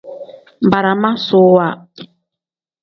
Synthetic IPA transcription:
m˨ba˨ɾa˨ma˦so˨˦wa˦˨

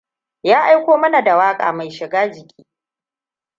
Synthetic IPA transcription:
jaː˦ʔa˦jkʷoː˦mɐ˦na˨da˨waː˦kʼa̰ː˨ma˨jʃɪ˨ɡaː˦d͡ʒɪ˨kʲʼi̥ː˦

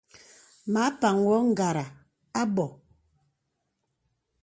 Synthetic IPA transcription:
ma˨˦pa˨ŋwɔ˦ŋ̩˦˨ɡa˨ɾa˨ | a˦bɔ˨

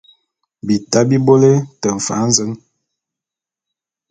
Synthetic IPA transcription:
bi˨ta˦bi˦bo˦le˦tə˨ɱ̩˨fa̰˨˦n̩˦zə˦n

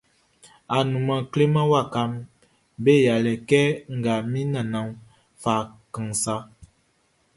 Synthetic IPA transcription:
a˨nu˨ma˨kle˦ma˦wa˦˨ka˨˦m | be˦ja˨lɛ˨kɛ˦ŋ̩˨ɡa˨mi˦na˨na˨ŋ | fa˨kə˨ŋsa˦

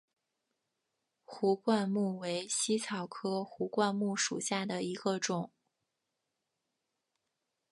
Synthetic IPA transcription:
xu˧˥kwa˥˧nmu˥˩we˧˥ɪɕi˥t͡sʰɑ˨˩ʊkʰɤ˥xu˧˥kwa˥˧nmu˥˩ʂṵ˨˩ɕja˥˩d̪ə˩i˧˥ɡ̥ə˧ʈ͡ʂʊ˨˩˦ŋ

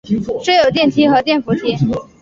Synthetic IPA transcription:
ʂwe˥ɪjo˨˩ʊt̪jɛ˥˩nt̪ʰi˥xɤ˧˥t̪̬jɛ˥˩nfu˧˥t̪ʰi˧˥

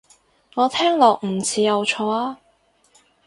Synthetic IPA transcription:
ŋɔː˨˧t̪ʰɛː˥ŋlɔː˨k̚m̩˨˩t͡sʰiː˨˧jɐ˨˧wt͡ʃʰɔː˧aː˥

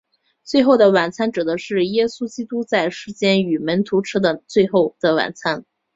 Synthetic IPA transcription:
t͡swe˥˧ɪxo˥˩ʊd̪ə˩wa˨˩nt͡sʰa˥nʈ͡ʂ̩˨˩d̪ə˦ʂɻ̩˥˩jɛ˥su˥t͡ɕi˥t̪u˥t͡sa˥˩ɪʂɻ̩˧˥t͡ɕjɛ˥ny˨˩mə˧˥nt̪ʰu˧˥ʈ͡ʂ̩ʰ˥d̪ə˨t͡swe˥˧ɪxo˥˧ʊd̪̥ə˨wa̰˨˩nt͡sʰa˥n

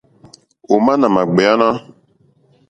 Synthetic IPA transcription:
o˨mã˦nã˨ma˨ɡ͡bɛ˨a˦nã˦

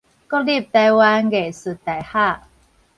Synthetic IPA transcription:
kɔ˥li˥˨p̚t̪a˧jwa˦nɡe˨˩˨sɨ˨t̪a˨˩jha˥˩˨

